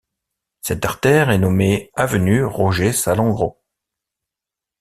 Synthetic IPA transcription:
sɛt̪aʁt̪ɛʁɛnɔmeavənyʁɔʒesalɑ̃ɡʁo̰

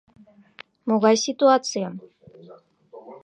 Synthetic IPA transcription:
muɣajsit̪uat͡sion

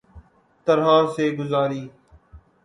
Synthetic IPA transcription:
t̪əɾɦaːɾseːɡʊzaːɾiː

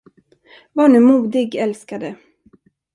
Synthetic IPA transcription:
vaːɳʉ̟ːmuːd̪ɪɡɛlskad̪ə

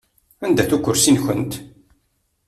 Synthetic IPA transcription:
ænd̪æθukʷːʊɾsinçənt̪

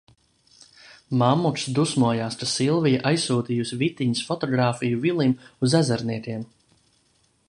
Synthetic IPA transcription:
mamːuksd̪usmuɔjaːst̪asilˠvijaʔajsːuːd̪ijusʲvit̪iɲisfɔt̪ɔɡɾaːfijuvilˠimuzæzæɾniɛk̪ʲiɛm

